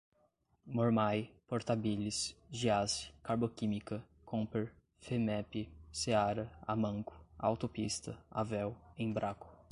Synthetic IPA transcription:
moɾmajpoɾt̪abilisʒiaskaɾbokĩmikɐ | kʰõpeɾ | femɛpɪseaɾɐa̰mɐ̃ŋkʊ̥a̰wt̪opist̪ɐa̰vɛwẽj̃bɾʔakʊ̥

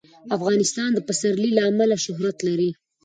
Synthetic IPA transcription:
afɣɑnɪst̪ɑnd̪əpasaɾlilaːmalaʃʊɦɾat̪laɾi

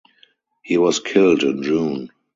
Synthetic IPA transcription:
hiːwɔskʰɪldɪ̃nɹũːn

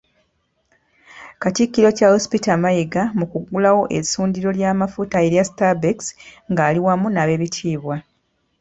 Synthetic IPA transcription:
katikːiɾo̞cahospitamajeɡamukuɡulawo̞ʔe̞isuːndiɾo̞ljaːmafutae̞ɾjasi̥tabeksŋɡaːliwamunaβe̞ːβitʰiːβwa

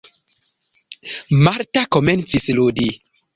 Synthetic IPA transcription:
maɾtakoment͡sisludi

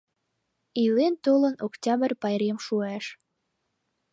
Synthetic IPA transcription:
ilent̪olənoktʲɑbərpɑjɾemʃuæʃ

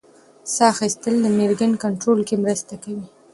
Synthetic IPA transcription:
sɑxist̪əld̪əmeɾɡənkaɳʈɾolkemɾəst̪akawi

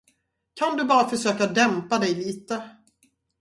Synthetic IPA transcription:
kʰand̪ɵbɑːɾafœʂøːkad̪ɛmpad̪ɛjliːt̪ə

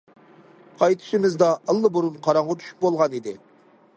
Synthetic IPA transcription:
qʰɑjt̪ʰɨ̥ʃɪmɪzd̪ɑʔəlˠːəbuɾunqʰɑɾɑŋʁɑt̪ʰy̥ʃy̥p̚bolˠʁɑnid̪ɪ̰

